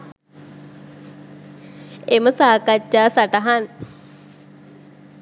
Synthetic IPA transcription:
eməsaːkat͡ʃːaːsaʈaɦan

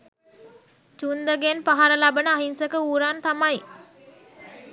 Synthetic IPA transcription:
t͡ʃund̪əɡenpaɦaɾəlabənəaɦinsəkəuːɾant̪amaj

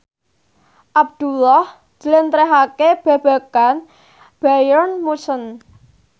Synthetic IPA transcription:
ʔab̚d̪̥ulɔh | d͡ʒ̪̥ə̤lɪnt̪ɾɛɦakeb̥ä̤b̥a̤kan | b̥ajɔrnmusən

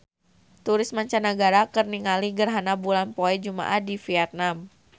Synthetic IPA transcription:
t̪uɾɪsmaɲt͡ʃanəɡaɾakərniŋaliɡərɦanabulanpoɛd͡ʒuma̰ʔadifiɛt̪̚nam

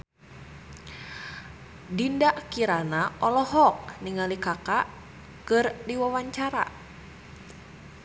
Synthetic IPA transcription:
dindaʔkiɾanaɔlɔhɔk̚niŋalikaka | kɨrdiwawaɲt͡ʃaɾa̰

